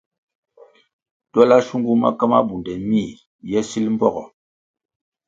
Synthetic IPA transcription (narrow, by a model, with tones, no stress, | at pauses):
tɔ˦la˦ʃu˦ŋɡu˦ma̰˦ka˦ma̰˦bu˨ndɛ˨mi˦˨ | jɛ˦si˦lm̩˦bɔ̰˦ɡɔ˨